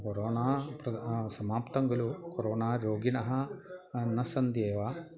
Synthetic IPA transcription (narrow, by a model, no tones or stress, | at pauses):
koɾoːnaːpɾɐsɐmaːpt̪ɐŋɡɐlukoɾoːnaːɾoːɡinɐɦɐ̆ | nɐsɐnd̪jeːʋaː